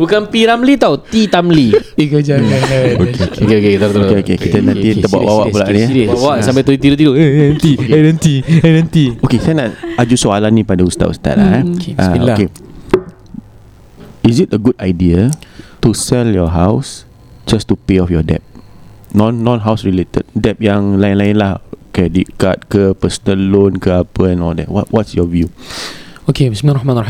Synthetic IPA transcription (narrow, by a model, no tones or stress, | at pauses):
bukanpiɾamlit̪awt̪it̪amlikəd͡ʒakanokeokeokekit̪at̪okeokekit̪ənãnt̪iəba̰ʔwawapulaʔniawaʔsãmbat̪əit̪iɾut̪̬iduãnt̪ianãnt̪ianãnt̪iokesajnaad͡ʒusoalanĩpadaust̪a̰ʔ̚ṵst̪a̰t̚aʔaoke | izit̚əɡudajdiətusɛljɔɦaws | d͡ʒastupeɔfjɔdɛ̰p̚ | nɔ̃nːɔ̃nɦawsɹilet̪ə̰d̚dɛp̚jãŋlaĩnlaɪnlahokeɛdiʔkat̚kəpəsənəlːõnkəapəɛ̃nɔldɛ̰twɔ̰twʔɔtsjɔvju | okebismilaɾɔhmanr